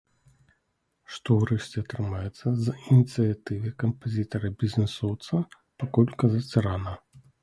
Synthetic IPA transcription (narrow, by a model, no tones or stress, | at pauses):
ʂt̪ɔwɾɛʂt͡sʲɛɐt̪ɾɨmajɛt̪sːɐzinʲit̪sɨjat̪ɨvʲɨkɐmpazʲit̪ɐɾɐbʲizʲnɛsɔwt̪sɐ | pakɔlʲkɐzat͡sʲɾana